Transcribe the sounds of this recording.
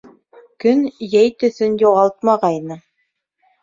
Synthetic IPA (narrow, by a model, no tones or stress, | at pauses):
kɵnjæjt̪ɵ̆θɵnjuʁɑlˠt̪̚mɑʁɑjnɤ